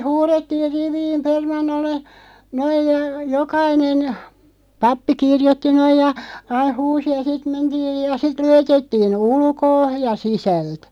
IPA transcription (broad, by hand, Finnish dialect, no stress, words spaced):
huːretːiːr riʋiːm permɑnːolːe noij jɑ jokɑinen pɑpːi kirjotːi noij jɑ ɑih̆ huːsi jɑ sit mentiːj jɑ sit lujetetːiːn ulkoː jɑ sisælt